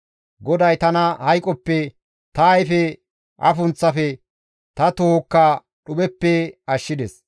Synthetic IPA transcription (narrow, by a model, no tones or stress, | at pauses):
ɡɔd̪ɐjt̪ɐnɐhɐjkʼɔpːɛ | t̪ɐjfɛ | ʔɐ̰fʊnt͡sːɐfɛ | t̪ɐt̪ookːa | ɗʊbɛpːɛɐʃːɪd̪ɛs